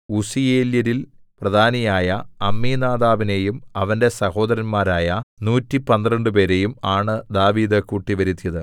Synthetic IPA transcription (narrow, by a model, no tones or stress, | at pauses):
usijeːljɐɾil | prɐd̪ʱaːnɐjaːjɐɐmːiːnaːd̪aːʋine̞jumɐʋɐnde̞sɐho̞ːd̪ɐɾɐnmaːɾaːjɐnuːtːipɐnd̪rɐɳɖɨp̬e̞ːɾe̞jumaːɳɨd̪aːʋiːd̪ɐkuːʈːiʋɐɾit̪ːijɐðɨ